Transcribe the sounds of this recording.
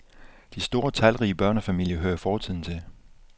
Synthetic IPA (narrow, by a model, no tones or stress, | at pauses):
d̥isd̥o̝ːɐt͡sʰælʁiːəb̥ɶɐnəfæmil̰jəɦøːɐfɒːt͡sʰið̰ˠn̩t͡sʰe̝l